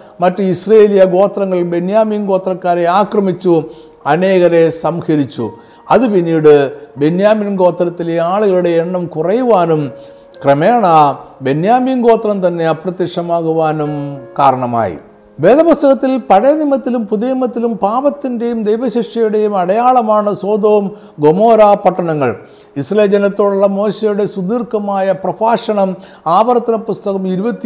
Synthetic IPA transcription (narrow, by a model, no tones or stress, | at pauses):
mɐtːuisreeːlijɐɡo̞ːt̪rɐŋːɐɭbe̞njaːmiːnɡo̞ːt̪rɐkːaːɾe̞aːkrɐmit͡ɕːu | ɐne̞ːɣɐɾe̞sɐmxɐɾit͡ɕːṵ | ɐðupinːiːɽɨbe̞njaːminɡo̞ːt̪rɐt̪ːileaːɭuɣɐɭuɽe̞ːɳːɐmkurɐjuʋaːnum | kremeːɳɐbe̞njaːmiːnɡo̞ːt̪rɐmt̪ɐnːe̞ɐprɐt̪ːikʂɐmaːɣuʋaːnumkaːɾɐɳɐma̰ːjḭ | ʋeːd̪ɐpust̪ɐɣɐt̪ːilpɐɻɐjɐnimɐt̪ːilumpuðeːmɐt̪ːilumpaːʋɐt̪ːinde̞jumd̪ejʋɐɕiʂɐjuɽe̞jumɐɽɐjaːɭɐmaːɳɨso̞ːd̪o̞ːm | ɡo̞moːɾaːpɐʈːɐɳɐŋːɐɭ | isrɐleːd͡ʑɐnɐt̪ːo̞ːɽuɭːɐmo̞ːɕejuɽe̞sud̪iːrkɐmaːjɐprɐpʰaːʂɐɳɐm | aːʋɐɾɐt̪ːɐnɐpust̪ɐɣɐmiɾubɐt̪ːi